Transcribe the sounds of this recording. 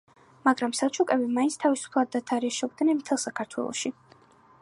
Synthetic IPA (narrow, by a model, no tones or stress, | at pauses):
maɡɾamsalˠt͡ʃʰukʼɛbimainsʰt̪ʰavisu̥pʰlˠad̪̚ːat̪ʰaɾiaʃɛk̚ʰʼd̪nɛnmt̪ʰɛlˠsakʰaɾt̪ʰwɛ̰lˠɔ̰ʃi